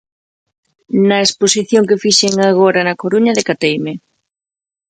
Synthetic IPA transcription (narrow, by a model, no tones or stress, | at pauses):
nɐesposiθjoŋkɪfiʃeŋaɣ̞oɾɐnɐkoɾuɲɐðɪkat̪ejme